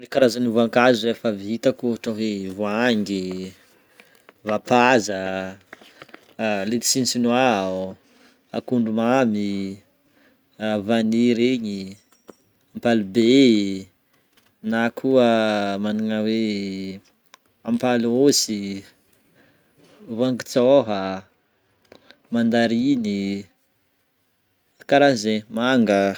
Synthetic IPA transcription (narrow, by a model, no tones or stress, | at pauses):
rikaɾazanivuaŋkazuefavit̪akuaʈ͡ʂaɦevuaŋɡi | vapazə | let̪i̥sint͡sinwa | a̰kuɳɖ͡ʐumami | vaniɾeɲi | ampalibe | nakʰuəmaniŋəwe | ampalosi | vaŋɡit͡soɦə | mand̪aɾini | kaɾazemaŋɡə